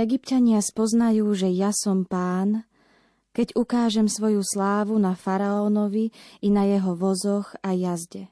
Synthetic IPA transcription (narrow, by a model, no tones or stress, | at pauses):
ɛɡipcaɲɪaspɔznajuːʒɛjasɔmpaːn | kɛɟukaːʒɛmsʋɔjuslaːʋunafaɾaɔːnɔʋiinajɛɦɔʋɔzɔɣajazɟɛ